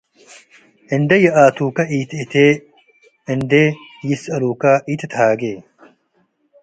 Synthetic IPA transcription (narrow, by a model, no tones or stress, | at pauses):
ind̪ejɐaːt̪ʰuːkɐʔiːt̪ʰit̪ʰe | ind̪ejisɐɾuːkɐʔit̪ʰt̪ʰhaːɡeː